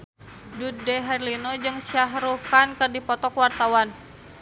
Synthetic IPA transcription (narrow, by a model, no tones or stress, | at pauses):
dudɛɦɛrlinod͡ʒɨŋsiaɦɾukankɨrdipɔt̪ɔkwart̪awan